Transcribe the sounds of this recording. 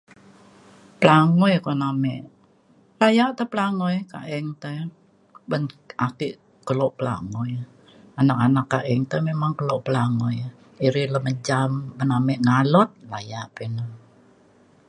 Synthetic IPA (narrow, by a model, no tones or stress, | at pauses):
pəlaŋɔjkonamɛʔ | lajaʔt̪əpəlaŋɔjka̰ʔɛŋt̪ə | bənakiʔ | kəlɔʔpəla̰ŋɔj | anak̚anakːaʔɛŋt̪əmemaŋkəlɔʔpəlaŋɔj | iɾiləməd͡ʒambənamɛʔŋalɔt̪̚lajaʔpinə